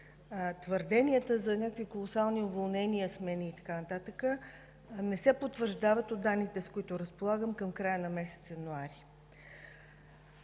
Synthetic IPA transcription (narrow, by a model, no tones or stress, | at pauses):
t̪vəɾd̪ɛniət̪əzɐnʲakvikolˠosalˠniovolˠnɛniəsmɛniːt̪ɐ̥kanɐt̪at̪əkə | nɛsɛpot̪ːvəɾʒd̪avət̪od̪ːanːit̪ɛskoit̪ʊɾəspolˠaɡəmkəmkɾajənɐmɛsɛ̥t̪sjɛnuaɾi